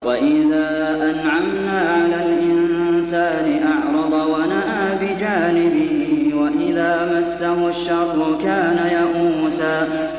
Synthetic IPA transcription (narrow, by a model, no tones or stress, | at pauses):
waʔɪðaː | ʔanʕamnaːʕalaːlʔɪnnsaːnɪʔɑʕɾˤɑd̪ˤɑwanaʔaːbɪd͡ʒaːnɪbɪhɪwaʔɪðaːmasːaɦʊʃːɑɾˤːʊkaːnajaʔuːsaː